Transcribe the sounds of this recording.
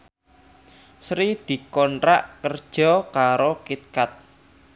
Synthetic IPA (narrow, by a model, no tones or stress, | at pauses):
sɾid̪̥i̤kɔnɾa̰ʔkərd̥ʒ̥ɔ̤kaɾokit̪̚kat̪̚